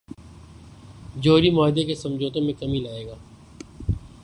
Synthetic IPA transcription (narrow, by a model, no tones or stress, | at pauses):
d͡ʒoːɾimɔːɦɪd̪ekesɐ̃md͡ʒoːt̪ẽmẽkɐmilaːeːɡaː